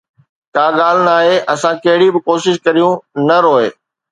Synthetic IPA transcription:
kaːɠaːl̤naːɦeʔɐsãkɐɦɪɽibɪkoːʃɪʃkɐɾijũnɐɾoːeː

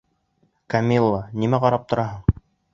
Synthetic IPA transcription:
kamʲilˠːanimæqɑɾɑp̚t̪ŏɾɑɦɤɴ

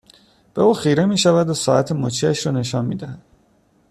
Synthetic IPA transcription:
b̥euːxiːɾemiːʃævæd̪osɒːæt̪ʰemot͡ʃʰeæʃɾɔːne̞ʃɒːnmiːd̪æhæd̪̥

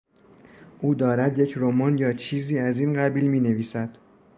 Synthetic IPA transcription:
ʔuːd̪ɒːɾæd̪je̞cʰɾomɒːnjɒːt͡ʃʰiːziːæziːnɢæbiːlmiːne̞viːsæd̪̥

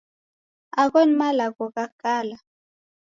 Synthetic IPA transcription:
aɣɔnmalakokakala

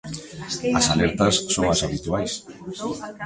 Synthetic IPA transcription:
ɐsalɛɾt̪ɐsːoŋasaβit̪uajs

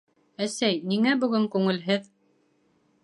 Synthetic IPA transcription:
æsæjniŋæbɵ̆ɡɘŋkʉŋɘ̆lɦɘð

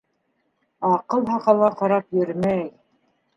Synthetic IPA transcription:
ɑqɤlˠɦɑqɑlˠʁɑqɑɾɑpjɵ̆ɾmæj

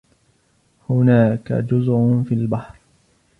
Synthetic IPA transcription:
hʊnaːka̰d͡ʒʊzʕʊnfilbaħɾ

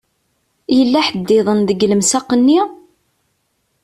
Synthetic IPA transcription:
jəlːæħəd̪ːɪðˤənðəɡləmsaqənːi

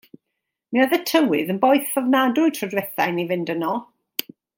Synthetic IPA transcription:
miaðətʰəwɪɨðənbɔjθɔvnadʊɨtʰrɔdwɛθajnivɪndənɔ

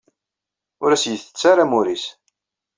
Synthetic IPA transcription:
ʊɾæsjəθə̥t͡sːaɾamuɾis

